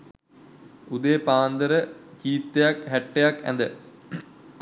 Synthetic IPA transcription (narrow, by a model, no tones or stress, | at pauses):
ud̪epaːnd̪ɐɾɐkiːt̪ːejakɦeʈːejakḛnd̪ɨ